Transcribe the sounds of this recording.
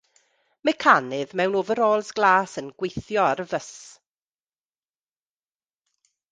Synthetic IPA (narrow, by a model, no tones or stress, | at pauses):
mɛkʰanɨðmɛwnovəɾoːlˠsɡ̥lˠaːsənɡ̥wejθjɔaɾəvəs